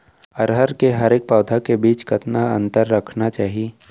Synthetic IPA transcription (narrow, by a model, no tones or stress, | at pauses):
əɾɦəɾkeɦɐɾeːk̚paːd̪ʱakebiːt͡ʃkɐt̪naɐ̃nt̪əɾːɐkʰnat͡ʃaːɦieː